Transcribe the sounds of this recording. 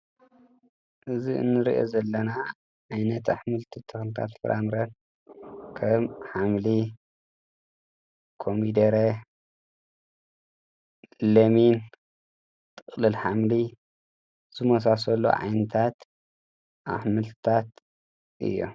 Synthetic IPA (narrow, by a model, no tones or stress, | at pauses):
ʔɨziɨ̰nːɨɾiʔo̰zɐlːɐna | ʕajnɐt̪aħmɨlt̪ʰɨt̪ʰɨxnɨt̪ʰa̰t̪fɨ̰ɾʔamɾɐn | kʰɐmħamli | kʰomid̪ɐɾe | lɐmin | t̪ʰʼɨχʼlɨlħamli | z̥ɨmɐs̬asɐlːo̰ʕa̰jnɨt̪ʰat̪ | ʔa̰ħmɨlt̪ʰt̪ʰat̪ | ʔɨ̰jːo̰